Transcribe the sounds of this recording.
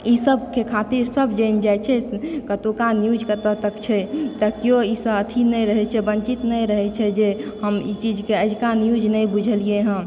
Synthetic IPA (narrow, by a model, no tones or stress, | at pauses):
isəbkekʰat̪iɾsəbd͡ʒəjnd͡ʒajt͡ʃʰɛkət̪okanjud͡ʒkət̪ət̪əkt͡ʃʰɛt̪əkioisəbət̪ʰinəjɾəɦɛt͡ʃʰɛbənt͡ʃit̪nəjɾəɦɛt͡ʃʰɛd͡ʒehəmḭt͡ʃid͡ʒkeəd͡ʒkanijud͡ʒnəjbud͡ʒʱəlieɦə̃